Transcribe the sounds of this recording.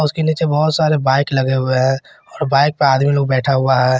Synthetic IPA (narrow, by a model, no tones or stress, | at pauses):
ʊskeniːt͡ʃebɔːt̪saːɾebaːɪklɐɡeɦʊeɦɛ̃ | ɔːɾbaːɪk̚peaːd̪miloːɡ̚bɛːʈʰaɦʊaɦɛː